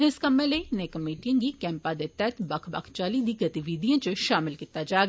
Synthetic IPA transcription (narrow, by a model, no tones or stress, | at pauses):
ɪskɐmẽleinekɐmiːʈijə̃ŋɡikɛ̃ːmpad̪et̪ɛt̪bɐkʰba̰kʰt͡ʃaːlid̪iɡɐt̪iʋiːd̪ijãt͡ʃʃaːmɪlkɪt̪ad͡ʒaː